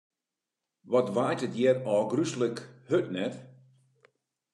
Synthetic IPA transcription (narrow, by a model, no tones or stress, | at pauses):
ʋɔtʋaːjtətjɛrɔːɡrysləkhøtnɛt